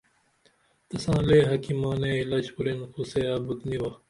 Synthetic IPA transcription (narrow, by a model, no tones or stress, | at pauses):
t̪ɐsãːleːɦɐkimaːneilaːt͡ʃpuɾenxuseːaːbut̪niwɐ